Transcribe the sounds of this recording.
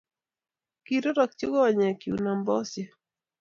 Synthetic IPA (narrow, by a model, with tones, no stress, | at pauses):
ki˨ɾɔ˦ɾɔ˨k̚t͡ʃu˦ɡɔ˦wa˨ɲa˨ki˨u˨na˨mbɔ˦sjɛ˨